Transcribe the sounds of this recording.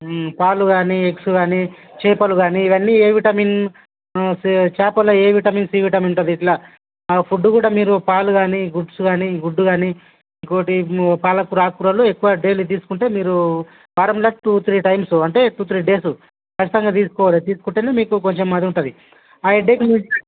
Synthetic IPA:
paːluɡaːnieksuɡaːni | t͡ʃeːpɐluɡaːniːʋɐnːieːʋiʈɐmiːn | st͡ʃaːpɐlɐeːʋiʈɐmiːnsiːʋiʈɐminuʈɐd̪iːʈlaː | pʰuɖːukuːɽaːmiːɾupaːluɡaːniɡuɖsuɡaːniɡuɖːuɡaːni | iŋko̞ːʈipaːlɐkuɾaːkuɾɐloːekːuʋɐɖeːlit̪̬iːsu̥kuɳʈe̞ːmiːɾu | ʋaːɾɐmlɐʈuːt̪ɾiʈɐjmsuɐɳʈe̞ːʈuːt̪ɾiɖeːsu | kɐt͡ʃʰːit̪ɐŋɡaːt̪iːsu̥kɔːʋaːlit̪iːsukuɳʈenemiːkuko̞ɲt͡ʃemːɐd̪iuɳʈɐd̪i | aːeɖeːkimi

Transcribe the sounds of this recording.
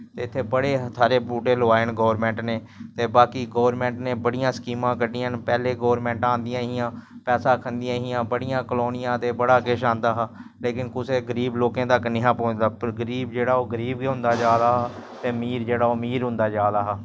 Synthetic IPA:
t̪eːɪt̪ʰːeːbəɽeːɦt̪ʰaːɾeːpuːʈeːlʊaːɪnɡoːʋəɾmɛ̃ːɳʈneː | t̪eːbaːkiːɡoːʋəɾmɛ̃ːɳʈneːbəɽɪjãːskiːmãːkəɖiənpɛːleːɡoːʋəɾmɛ̃ːɳʈãːnd̪ɪjãːɦɪjãːpɛːsãːkʰənd̪ɪãːɦɪjãːbəɽɪjãːkloːnɪjãːt̪eːbəɽaːɡeːʃãːnd̪aːɦaleːkɪnkʊseːɡəɾiːbloːkẽːt̪əknɪɦãːpõːnd̪aːpɾɡəɾiːbd͡ʒeːɽaːoːɡəɾiːbɡeɦʊ̃nd̪aːd͡ʒaːlaːɦːt̪eːmiːɾd͡ʒeːɽaːoːmiːɾɦʊ̃nd̪aːd͡ʒaːlaːɦaː

